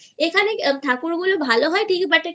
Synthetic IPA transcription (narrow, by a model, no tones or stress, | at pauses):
ekʰanekt̪ʰaːkuɾɡulobʱaːloɦɔjʈʰiːkɛbɐʈe